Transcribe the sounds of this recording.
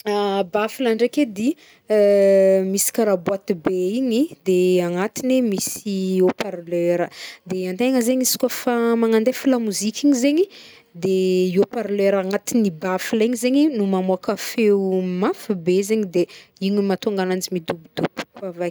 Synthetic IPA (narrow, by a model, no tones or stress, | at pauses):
abafilaɳɖ͡ʐeked̪i | misi̥kaɾabwat̪ibeiɲid̪eaŋat̪inemisiopaɾleɾəd̪eant̪eŋəzeɲisi̥kʲafamaŋand̪efilamuzikʲiɲizeɲi | d̪eiopaɾleɾaŋat̪inibafiliɲizeɲinumamuakafeumafibezeɲid̪eiɲimat̪uŋɡanand͡ʒimid̪ubid̪ub̥kavaj